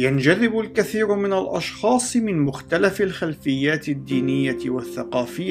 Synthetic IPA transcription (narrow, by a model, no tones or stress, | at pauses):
jand͡ʒaðɪbʊlkaθiːɾʊmɪnalʔɑ̰ʃxɑːsˤmɪnmʊxt̪alafɪlxalfɪjːaːt̪ɪd̪ːiːnɪjːaɪwaθːaqɑːfɪjːa